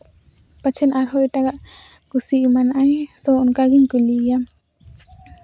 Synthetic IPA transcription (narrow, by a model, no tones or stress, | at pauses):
pət͡ʃʰɛnaɾɦɔiʈaɡaʔ | kusimanʔajt̪ɔunkaɡiɲkulijam